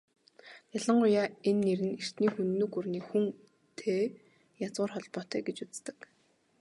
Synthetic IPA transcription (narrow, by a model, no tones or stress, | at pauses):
jaɮə̆ɴɢʊjaːenːeɾɘ̆ner̥t̪niːxunːɵ̆kurniːxuŋ | t̪ʰeː | jat͡sʊːrχɔɮpɔːt̪æːɡet͡ɕut͡st̪ə̥̆k